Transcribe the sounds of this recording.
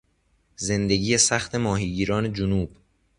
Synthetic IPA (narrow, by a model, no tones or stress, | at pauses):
ze̞nd̪eɟiːjesæxt̪ʰe̞mɒːɦiːɟiːɾɒːne̞d͡ʒonuːb̥